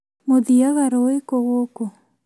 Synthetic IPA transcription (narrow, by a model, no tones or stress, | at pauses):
moðiaɣaɾowekoɣoko